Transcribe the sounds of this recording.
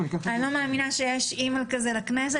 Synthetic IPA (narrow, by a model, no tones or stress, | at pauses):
anilo̞meaminaʃejeʃimalkazelaknes̬e